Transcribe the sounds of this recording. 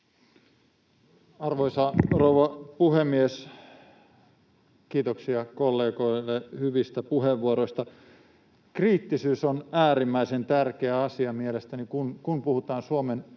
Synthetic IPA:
ɑrʋoisɑrouwʋɑpuhemːies | kiːt̪oksiɑkolːeːɡo̞jlːehyʋist̪æpuɦheʋːuoɾoist̪ɑ | kriːt̪ːisyːsonæːɾimːæisent̪ærkeæɑsiɑmielest̪ænikunkunpuhut̪ɑːnsuomen

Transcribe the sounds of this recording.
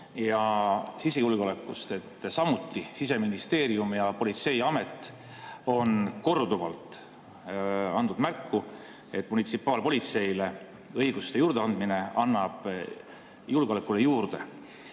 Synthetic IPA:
jɑsise̞julɡ̥eo̞le̞kːˑust̪e̞t̪ːsɑmut̪ːˑisis̬e̞minist̪e̞ːɾiumjɑpo̞lit̪se̞jɑme̞t̪ːˑ | o̞nko̞rd̪̥uvɑ̰lt̪ˑ | ɑnd̪ud̪̥mærkːu | e̞t̪ːˑmunit̪sipːˑɑːlpo̞lʲit̪se̞jle̞ | ɤjɡ̥ust̪e̞juːɾd̪eɑnd̪̥mine̞ɑnːɑb̥ | julɡ̥olekːˑulejuːrd̪̥e̞̰

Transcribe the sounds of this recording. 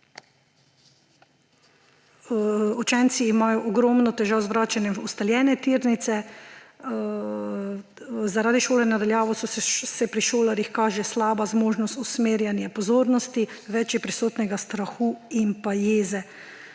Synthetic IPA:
ut͡ʃɛnt̪siːmaːjɔʔɔɡɾɔmnɔt̪ɛʒaːwzʋɾaːt͡ʃanjɛʋust̪aljɛːnɛt̪iːɾnit̪sɛ | zaɾaːd̪iʃoːlɛnad̪aljaːʋɔsɔsɛpɾiʃoːlaɾixkaːʒɛslaːbazmoːʒnɔst̪usmeːɾjanjɛpɔzoːɾnɔst̪iʋɛt͡ʃɛpɾisoːt̪nɛɡast̪ɾaxuːimpajeːzɛ

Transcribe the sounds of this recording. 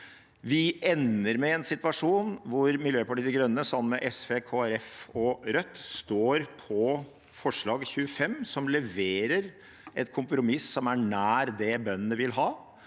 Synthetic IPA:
ʋɪʔɛnːəɾmɛɛnsɪt̪ʋɑʂuːnʋʊɾmɪljøːpɑʈiːd̪əɡɾœnːəsɑmmɛʔɛsʋeːkʰoːæɾɛfɔɾœt̪ːst̪oːɾpʰɔ | fɔʂɭɑːɡçʉːəfɛmsɔmlɛʋeːɾəɾ | ʔɛt̪kʰʊmpɾʊmɪsːɔmæɳæːɾd̪ɛbœnːənəʋɪlɦɑː

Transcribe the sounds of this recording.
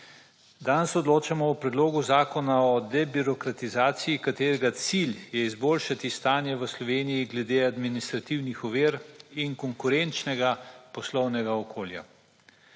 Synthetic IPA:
d̪ansɔd̪loːt͡ʃamɔupɾɛd̪loːɡuzaːkɔnaɔd̪ɛbiɾɔkɾat̪izaːt̪sijikat̪eːɾɛɡat̪siljɛizboːlʃat̪ist̪aːnjɛʋəslɔʋeːnijiɡlɛd̪ead̪minist̪ɾat̪iwnixɔʋiːɾinkɔŋkuɾɛnt͡ʃnɛɡapɔslɔwnɛɡaɔkʰoːlja̰

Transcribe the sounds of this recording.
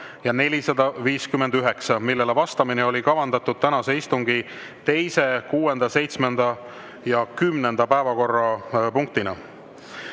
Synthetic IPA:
jɑne̞lʲisɑd̪̥ɑviːskymːe̞nd̪yɦe̞ksɑmilːe̞levɑst̪ɑmineo̞lʲikɑvɑnd̪ɑt̪ːˑud̪̥̚t̪ænɑseist̪uŋɡ̥i | t̪e̞jse̞kuːe̞nd̪̥ɑse̞jt̪sme̞nd̪̥ɑ | jɑkymne̞nd̪̥ɑpæevɑko̞rːɑpuŋk̚t̪inɑ̰

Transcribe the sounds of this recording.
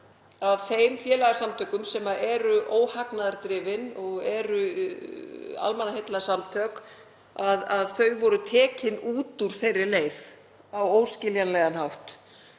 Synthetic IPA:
avθejmfjɛːlaɣaɾsamt̪ʰœkʏmsɛmaʔɛɾʏʔoːwhaknaðaɾt̪ɾɪːvɪnɔɣɛɾʏ | a̰lmɛnːahejt̪lasamt̪ʰœk | aðaðθœɥvɔɾʏt̪ʰɛːcɪnuːt̪uɾ̥θejrːɪleːjð | awoːwscɪljanlɛːɣanhawht̪

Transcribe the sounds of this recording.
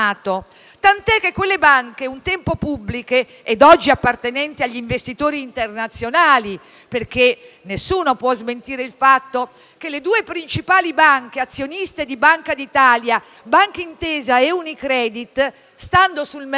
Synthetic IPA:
aːt̪o | t̪ant̪ɛkːekːwelːebaŋkeunt̪ɛmpopublike | ɛd̪ɔd͡ʒːiapːart̪enɛnt̪iaʎːiɱvest̪it̪oːɾiːnt̪ernat̪sːjonaːli | perk̟e | nesːuːnopwɔzment̪iːɾeilfat̪ːo | k̟eled̪uːepɾint͡ʃipaːlibaŋkeat̪sːjonist̪ed̪ibaŋkad̪it̪aːlja | baŋkeint̪ɛːzaɛunikɾɛːd̪it̪ | st̪and̪osulm

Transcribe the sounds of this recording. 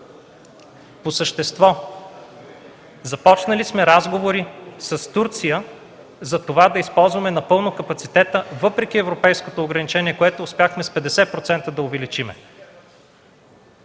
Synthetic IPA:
posəʃt̪ɛst̪vɔ | zɐpɔt͡ʃnɐlismɛɾazɡovoɾisəst̪uɾt̪sijə | zɐt̪ovad̪ɐispɔlˠzvɐmɛnɐpɤlˠnokɐpɐt̪sit̪ɛt̪əvɤpɾɛk̟iɛvɾopɛjskot̪oːɡɾɐnit͡ʃɛniɛkoɛt̪oʊspjaxmɛspɛd̪ɛsɛpɾot̪sɛnt̪əd̪ɐʊvɛlit͡ʃimɛ̰

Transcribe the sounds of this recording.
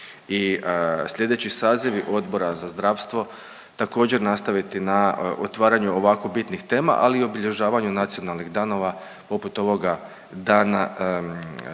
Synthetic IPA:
isʎʲe̞d̪e̞t͡ɕisaːziʋiʔo̞d̪bo̞ɾazazd̪ɾaʋst̪ʋo̞ | t̪ako̞ːd͡ʑe̞ɾnast̪aʋit̪inaʔot̪ʋaːɾaɲuo̞ʋako̞bit̪nixt̪e̞ːma̰ʔalio̞biʎe̞ʒaːʋaɲunat̪sio̞nalˠnixd̪aːno̞ʋa | po̞put̪o̞ʋo̞ɡa | d̪aːna

